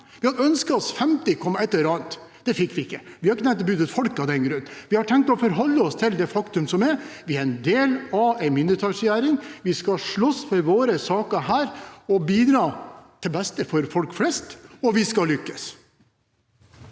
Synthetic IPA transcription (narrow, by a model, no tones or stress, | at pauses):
ʋɪhɑd̪œnskəɔsfɛmt̪ɪkʰɔmːɛt̪lːəɾɑːnt̪d̪̥ɛfɪkːʋɪɪkːəʋɪhɑɾɪkːət̪ʰɛmnt̪ɔbʉːd̪ət̪fɔlkɑd̪ɛnɡɾʉnːʋɪhɑʈʰɛŋk̚t̪ɔfɔɾɦɔlːəɔst̪ʰɪld̪ɛfɑkt̪ʉmsɔmɛɾʋɪɛɾɛɪnd̪eːlɑʋæɪmɪnd̪əɾt̪ʰɑʂjæːɾɪŋʋɪskɑʂɭɔsːfɔɾʋoːɾəsɑːkəɦæːɾɔbiːd̪ɾɑːt̪ʰɪlbɛst̪əfɔɾfɔlkflɛst̪ɔʋɪskɑlʏkːəs